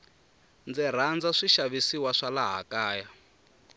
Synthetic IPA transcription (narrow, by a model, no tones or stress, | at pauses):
nd͡zɛr̤and͡zaʂiʃaβisiwaʂalaɦa̰kaːja